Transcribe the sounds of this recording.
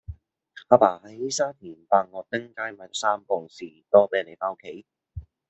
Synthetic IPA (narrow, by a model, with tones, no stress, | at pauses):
aː˨˧paː˨˩hɐ˨˦jliː˦˥saː˥t̪ʰiː˨˩npaː˨˧ŋŋɔː˨˧t̪ɪ˥ŋkaː˥jmaː˨˦jkɔ˨˥saː˥mkɔː˨˩ŋsiː˨˩t̪ɔː˥pe˨˥le˨˩faː˧˥kʰe˨˥j